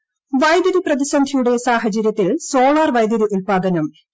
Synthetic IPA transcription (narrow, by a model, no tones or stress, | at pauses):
ʋɐjd̪ɐɾiprɐd̪iɕɐnd̪ʱijuɽe̞saːhɐt͡ɕɐɾjɐt̪ːilso̞ːɭaːrʋɐjd̪jɐɾuʔulpaːd̪ɐnɐm